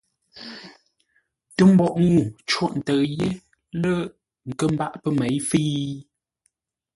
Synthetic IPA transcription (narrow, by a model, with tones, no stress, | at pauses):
tə˦m̩˦bɔ˨ʔŋu˦˨t͡ʃwɔ˦˨ʔn̩˨tə˨je˦ | lə˦ | ŋ̩˨kə˦m˦ba˦ʔpə˦me˨˦jfi˦